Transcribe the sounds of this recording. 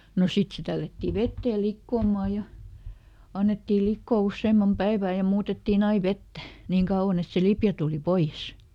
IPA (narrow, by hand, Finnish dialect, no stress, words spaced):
no sit se tælːætːi ʋetːeː likːoːmɑˑ jɑ ɑnːetːiː likːoː usːeːmːɑm pæiʋæˑ jɑ muːtetːiːn ɑi ʋetːæ niːŋ kɑuw̆ɑn et se lipjæ tuˑli poij̆es